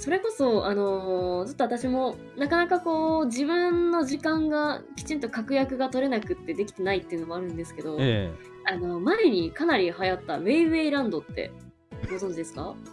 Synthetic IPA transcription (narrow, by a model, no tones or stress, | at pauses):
so̞ɾe̞ko̞so̞ʔano̞t͡ɕo̞t̪ːo̞at̪aɕimo̞ | nakanakako̞ːd͡ʑibɯ̟̃nːo̞ʑikãŋɡakʲi̥t͡ɕĩnt̪̬o̞kakɯ̟jakɯ̟ɡat̪o̞ɾe̞nakɯ̟t̪ːe̞d̪e̞kʲi̥t̪e̞nait̪ːe̞ɯ̟no̞moaɾɯ̟̃nd̪e̞sɨ̥ke̞d̪o̞ | ano̞maeɲ̟ikanaɾʲihajat̪ːaβe̞iβe̞iɾãnd̪o̞t̪ːe̞̰ | ɡo̞zõ̞ɲ̟d͡ʑid̪esɨ̥ka